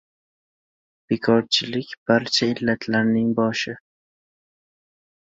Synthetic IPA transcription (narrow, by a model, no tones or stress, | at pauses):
b̥ekʰɒɾt͡ʃʰɪlɪkʲb̥aɾt͡ʃʰaɪlːat̪ʰlaɾnɪŋbɒʃɪ